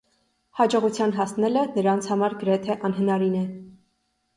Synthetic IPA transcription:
hɑd͡ʒɔʁut͡sʰjɑnɦɑsnɛlənəɾɑnt͡sʰhɑmɑɾɡəɾɛt̪ʰɛʔɑnɦənɑɾinɛ

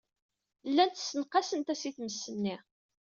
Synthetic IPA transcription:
lːænt̪sːənqːɑsənt̪æsiθməsːənːi

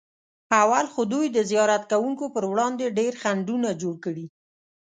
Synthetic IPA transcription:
awalxod̪ujd̪əzijɑɾat̪kawuŋkopəɾwɽɑnd̪eɖeɾxaɳɖunad͡ʒoɽkəɽi

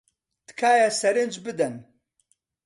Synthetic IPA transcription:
t̪kʰaːjɐsɐɾɨnd͡ʒbɨd̪ɐn

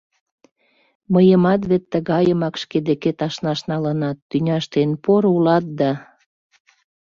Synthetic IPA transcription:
məjəmɑt̪βet̪ːəɣɑjəmɑkʃked̪eket̪ɑʃnɑʃnɑlənɑt̪ːynʲɑʃt̪enpoɾulɑt̪̚d̪ɑ

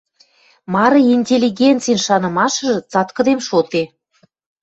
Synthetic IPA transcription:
mɑɾɤ̆inʲtʲelʲːiɡʲent͡sijnʃɑnə̆mɑʃə̆ʒɤ̆t͡sɑt̪kə̆d̪emʃot̪e

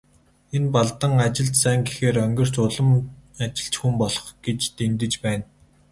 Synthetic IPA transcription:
enpaɮt̪ə̆ŋat͡ɕɪ̆ɮt͡ɕ̪sæːŋɡexeːrœŋɡʲɪ̆r̥t͡ɕʊɮə̆mat͡ɕɪ̆ɬt͡ɕxumpɔɮɞ̆χɡ̥et͡ɕt̪ent̪ɘ̆t͡ɕpæːn

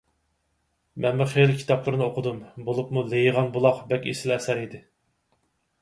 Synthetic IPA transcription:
mɛnmuχelɪkʲʰi̥t̪ʰɑplˠɨɾnɨoqʰʊd̪umbolˠupmulejʁɑnbulˠɑqbɛkʲḛsɪlɛsæɾid̪ɪ

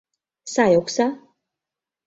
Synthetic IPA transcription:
sajɔkʰsa

